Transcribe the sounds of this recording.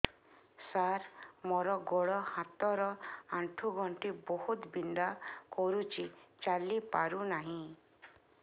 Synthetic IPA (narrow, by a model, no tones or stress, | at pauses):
saɾmɔɾɔɡɔɭɔhat̪ɔɾɔaɳʈʰuɡʱɔɳʈibɔhut̪bind̪akɔɾut͡ʃʰit͡ʃalipaɾunaɦĩ